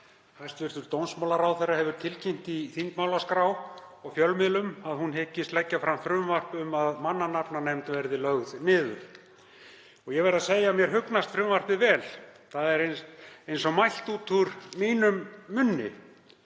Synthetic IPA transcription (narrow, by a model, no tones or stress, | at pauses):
hajst̪vɪɾ̥t̪ʏɾ̥t̪ownsmawlaɾawθejrːahɛvʏɾ̥t̪ʰɪlcʰɛm̥t̪iθint̪maːwlaskɾawɔɣfjœlmɪlʏmaðhunɦɪcːɪst̪lɛcːafɾamfɾʏmvar̥pʏmaðmanːanapnanɛmt̪vɛɾðɪlœɣðnɪːðʏ̰ɾ | ɔɣjɛɣvɛɾaseːjamjɛɾ̥ɦʏknast̪fɾʏmvar̥pɪvɛːlθaðɛɾenejnsɔmajl̥t̪uːt̪ʰuɾmiːnʏmːʏnːɪ̰